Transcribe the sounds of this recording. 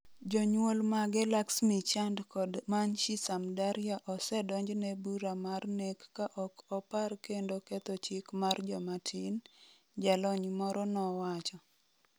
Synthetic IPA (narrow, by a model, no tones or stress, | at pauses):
d͡ʒɔɲwolmaɡɛlaksmit͡ʃandkɔdmanʃisamdaɾɪaʔɔsɛdɔɲd͡ʒnɛbuɾamarnekːaʔɔkɔparkendokɛt̪ɔt͡ʃɪkmard͡ʒɔmatʰin | d͡ʒalɔɲmɔɾɔnɔwat͡ʃɔ